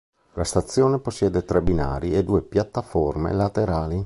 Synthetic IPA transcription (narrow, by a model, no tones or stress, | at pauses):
last̪at̪sːjoːneposːjɛːd̪et̪ɾɛbina̰ːɾied̪uːepjat̪ːafɔrmḛlat̪eɾaːli